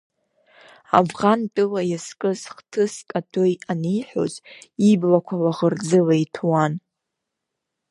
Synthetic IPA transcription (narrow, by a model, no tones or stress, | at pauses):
a̰vʁantʼɨlajaskʼɨzχtʰɨskʼatʰojaniħʷᶣo̰ziblakʷʰawaʁərd͡zɨlaitʰwan